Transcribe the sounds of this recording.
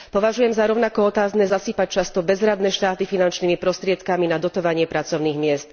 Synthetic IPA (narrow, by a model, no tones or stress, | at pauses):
pɔʋaʒujɛmzaɾɔʊnakɔɔt̪aːznɛːzasiːpac̚t͡ʃast̪ɔbɛzɾad̪nɛʃt̪aːt̪ifinant͡ʃniːmipɾɔst̪ɾɪɛt̪kaminad̪ɔt̪ɔʋaɲɪɛpɾat͡sɔʊniːɣmɪɛst̪